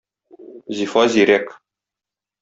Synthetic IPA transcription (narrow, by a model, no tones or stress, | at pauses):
zifɑziɾek